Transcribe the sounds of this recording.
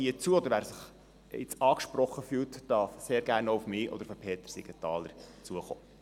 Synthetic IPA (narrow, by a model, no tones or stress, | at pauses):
iət͡suːəɔd̪əɾʋæːɾsɪχ | ɪ̰t͡sɑːkʃpɾɔχːəfyːltd̥ɑfseːɾɡæːɾnoufmɪːʔɔ̰dəɾfəpʰeːt̪əɾsɪ̰ɡətɑːləɾt͡suəχo̰ː